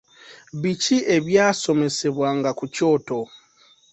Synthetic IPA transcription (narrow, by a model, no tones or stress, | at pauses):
βiciʔe̞βjaːso̞me̞se̞βwaŋɡakuco̞ːto̞